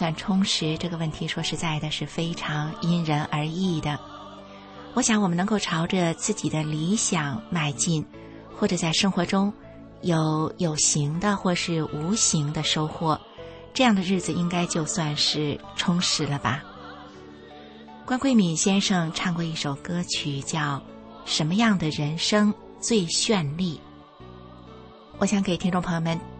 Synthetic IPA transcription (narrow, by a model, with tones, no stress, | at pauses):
swa˥˩nʈ͡ʂʰʊ˥ŋʂɻ̩˧˥ʈ͡ʂɤ˥˩ɡə˩wə˥˩nt̪ʰi˧˥ʂwɔ˥ʂɻ̩˧˥t͡sa˥˩ɪd̪ə˩ʂɻ̩˥˩fe˥ɪʈ͡ʂʰɑ˧˥ŋi˥nɻə˧˥nʔə˞˧˥i˥˩d̪ə˩ | wɔ˧˥ɕjɑ˧˥ŋwɔ˨˩mə˦n˧˥ŋko˥˩ʈ͡ʂʰɑ˧˥ʊʈ͡ʂə˧t͡sɹ̩˥˩t͡ɕi˨˩d̪ə˦li˧˥ɕjɑ˨˩˦ŋma˥˩ɪt͡ɕi˥˩n | xwɔ˥˩ʈ͡ʂɤ˨˩t͡sa˥˩ɪʂɤ˥ŋxwɔ˧˥ʈ͡ʂʊ˥ŋ | jo˧˥ʊjo˨˩ʊɕi˧˥ŋd̪ə˧xwɔ˥˩ʂɻ̩˥˩u˧˥ɕi˧˥ŋd̪ə˧ʂo˥ʊxwɔ˥˩ | ʈ͡ʂɤ˥˧jɑ˥˩ŋd̪ə˩ɻɻ̩˥˩d͡zɹ̩˩i˥ŋka˥ɪt͡ɕjo˥˧ʊswa˥˧nʂɻ̩˥˩ʈ͡ʂʰʊ˥ŋʂɻ̩˧˥lə˧bɐ˩ | kwa˥nkwe˥ɪmi˨˩nɕjɛ˥nʂɤ˥˧ŋʈ͡ʂʰɑ˥˧ŋkwɔ˥˧i˥˩ʂo˨˩ʊkɤ˥t͡ɕʰy˨˩t͡ɕjɑ˥˩ʊ | ʂə˧˥nmə˧jɑ˥˩ŋd̪ə˩ɻə˧˥nʂɤ˥ŋ | t͡swe˥˧ɪɕɥɛ˥˧nli˥˩ | wʔɔ˨˩ɕjɑ˧˥ŋkʰɪ˨˩t̪ʰi˥ŋʈ͡ʂʊ˥˩ŋpʰɤ˧˥ŋjo˧˩mə˧˥˦n